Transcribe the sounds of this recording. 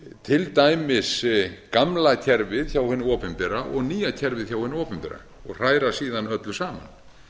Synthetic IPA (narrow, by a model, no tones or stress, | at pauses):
t̪ʰɪlt̪aːjmɪskamlacʰɛɾvɪðçawhʏnːʏɔːpʏmpɛɾaʔɔɣniːjacʰɛɾvɪðçawhʏnːʏɔːpʏmpɛɾa̰ | ɔɣr̥aːjɾasiːðanœt̪lʏsaːma̰n